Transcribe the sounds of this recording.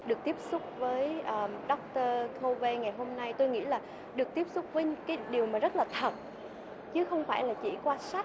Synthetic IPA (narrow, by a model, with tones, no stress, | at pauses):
ɗɨ˨˩ək̚t̪i˦˥əp̚sʊ˦˥k͡p̚vəː˨˦jʔəː˨˩ɗɔ˦˥k͡p̚t̪əː˧kʰo˧ve˧ŋa˨˩jɦo˧mna˧jt̪o˧jŋḭ˧˥laː˨˩ | ɗɨ˨˩ək̚t̪i˦˥əp̚sʊ˦˥k͡p̚və˨˧˦kaː˨˦ɗi˨˩əwmaː˨˩zə˦˥t̚laː˨˩t̪ʰə˨˩t̚ | t͡ɕɨ˨˦xə˧wŋ͡mfaː˧˩jlaː˨˩t͡ɕḭ˧˩kwaː˧sa˦˥